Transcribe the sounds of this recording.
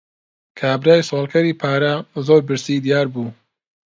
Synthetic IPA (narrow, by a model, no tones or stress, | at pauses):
kʰaːbɾaːjsoːlˠkʰɐɾiːpʰaːɾɐzoːɾbɨɾsiːd̪ijaːɾbuː